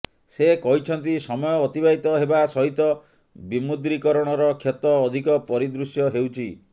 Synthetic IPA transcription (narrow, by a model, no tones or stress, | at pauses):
sekɔɦit͡ʃʰɔnt̪isɔmɔjɔːt̪ibaɦit̪ɔɦebasɔɦit̪ɔ | bimud̪ɾikɔɾɔɽ̃ɔɾɔkʰjɔt̪ɔːd̪ʱikɔpɔɾid̪ɾusjɔɦewt͡ʃʰi